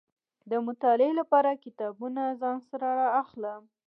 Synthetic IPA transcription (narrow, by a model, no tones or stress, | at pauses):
d̪əmʊt̪ɑlelapɑɾakɪt̪ɑbunazɑnsaɾaɾaːxlə